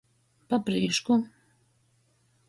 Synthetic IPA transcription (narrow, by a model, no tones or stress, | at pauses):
papɾiːʃku